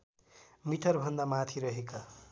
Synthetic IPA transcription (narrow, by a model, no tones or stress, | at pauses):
miʈʰʌrbʱʌnd̪amat̪ʰiɾʌɦeka